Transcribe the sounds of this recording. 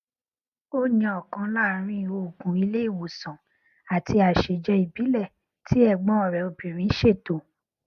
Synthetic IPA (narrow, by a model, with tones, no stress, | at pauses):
o˦nĩ˧ɔ˨kã˧la˦˨ɾ̃ĩ˦i˨o˨ɡũ˨˦i˧le˦i˦˨wo˨sã˨ | a˨ti˧a˨ʃe˨d͡ʒɛ˧˦i˨bi˨˦lɛ˦˨ | tʰi˨˦ɛ˦˨ɡ͡bɔ̃˨˦ɔ˨ɾɛ˨o˧bi˨ɾ̃ĩ˨˦ʃe˦˨to˨